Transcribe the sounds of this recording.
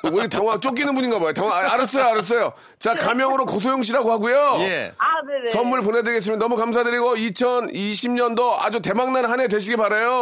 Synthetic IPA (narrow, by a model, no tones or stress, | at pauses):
uɾtjaŋwat͡ɕ͈ok͈inɯnbuɲinɡabojotaŋwaaɾɯs͈ʌjoaɾɯs͈ʌjo | t͡ɕakamjʌŋɯɾokos̬ʰojoŋɕ̬ʰiɾaɡohaɡujojeanesʌmuɭp̬onedɯɾiɡes̬͈ɯmjnːʌmukams̬ʰadɯɾiɡoit͡ɕʰʌniɕʰimɲʌndoa̰d͡ʑute̞maŋnanhane̞dweɕ̬ʰiɡepaɾejo